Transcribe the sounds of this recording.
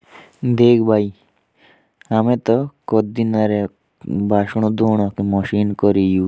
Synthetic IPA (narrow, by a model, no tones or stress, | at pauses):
d̪eːkʰbʱaːi | ɦamẽt̪ɔkɔd̪inaɾe | bʱaːʃɳ̃ũd̪oːɽ̃ɔkemɔʃiːnkɔɾiju